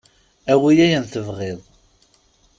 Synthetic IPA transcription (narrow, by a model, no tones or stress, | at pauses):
æwijæjənθəvʁiðˤ